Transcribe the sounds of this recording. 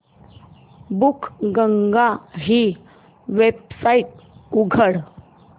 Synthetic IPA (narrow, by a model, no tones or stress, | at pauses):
bukʰɡəŋɡaɦi | ʋeb̚saiʈ̚uɡʱəɽ